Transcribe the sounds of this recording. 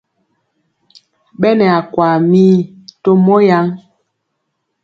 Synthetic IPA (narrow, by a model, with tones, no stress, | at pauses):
ɓɛ˦nɛ˨a˨kwa˨mi˦ | to˦mɔ˦ja˦ŋ